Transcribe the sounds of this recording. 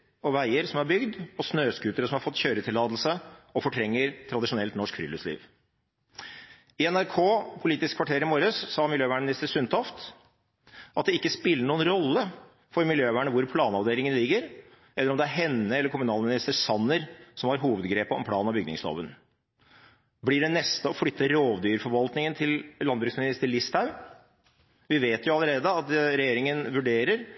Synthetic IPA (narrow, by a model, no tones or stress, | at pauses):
ɔʋæɪəɾsɔmhɑɾbʏɡd̪ɔsnøːskʉːt̪əɾəsɔmhɑɾfɔt̪ːçøːɾət̪ʰɪlːɑːd̪l̩səɔfɔʈʰɾɛŋːəɾt̪ʰɾɑd̪ɪʂʊnɛlt̪nɔʂkfɾʏ̰lːʉslḭːʋ | ɪɛnæɾkʰoːpʰʊliːt̪ɪskʰʋɑʈʰeːɾɪmoːɾəsːɑːmɪljøːʋæːɳmɪnɪst̪əsʉnt̪ʰɔft̪ | ʔɑt̪̚d̪ɛɪkːəspɪlːəɳuːənɾɔlːə | fɔɾmɪljøːʋæːɳəʋʊɾpʰlɑːnɑʋd̪eːlɪŋənlɪɡːəɾ | ʔɛləɾɔmd̪ɛæɾɦɛnːəɛlːəɾkʰʊmʉnɑːlmɪnɪst̪əsɑnːəɾsɔmhɑɾɦuːʋəd̪ɡɾeːpəɔmpʰlɑ̰ːnɑʋbʏɡnɪ̰ŋslo̰ːʋən | blɪɖɛnɛst̪əɔflʏt̪ːəɾoːʋd̪yːɾfɔɾʋɑlt̪nɪŋənt̪ʰɪllɑnd̪bɾʉksmɪnɪst̪əɭɪst̪ʰɑʉ | ʋɪʋeːt̪jʊɑləɾeːd̪əɑt̪ɾɛjeːɾɪŋənʋʉɖeːɾəɾ